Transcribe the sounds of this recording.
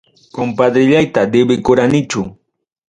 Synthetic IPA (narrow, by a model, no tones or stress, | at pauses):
kompad̪ɾɪʎajt̪ad̪ɪbɪkʊɾanɪt͡ʃʊ